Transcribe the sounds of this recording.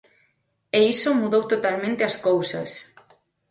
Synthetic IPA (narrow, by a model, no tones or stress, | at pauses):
eisomuðowt̪ot̪almẽnt̪eɐskowsɐ̰s